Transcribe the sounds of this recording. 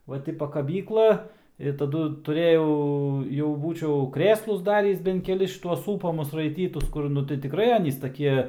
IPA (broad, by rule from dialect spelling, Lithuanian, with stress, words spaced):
ˈʋɐ tʲɪ pɐkɐˈbʲiːklˠɐ ɪ tɐˈdʊ tʊˈrʲeːjɛʊ jɛʊ ˈbuːt͡ʃʲɛʊ ˈkrʲeːslˠʊs ˈdɑːrʲiːs bʲɛnt kʲɛˈlʲɪs ʃʲɪˈtuɔs ˈsuːpɐmʊs rɐɪˈtʲiːtʊs ˈkʊr ˈnʊ tɐɪ tʲɪˈkrɐɪ ˈɑːnʲiːs tɐˈkʲiɛ